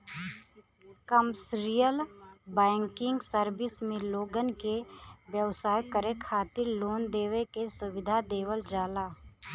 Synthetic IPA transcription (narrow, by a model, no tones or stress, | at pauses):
kəmsɾijəlbɛ̃ːŋkɪ̃ŋɡsəɾbɪsmẽloːɡənkeʋjəwsaːjkəɾekʰaːt̪ɪɾloːnd̪eːʋekesʊʋɪd̪ʱad̪eːwəld͡ʒaːlaː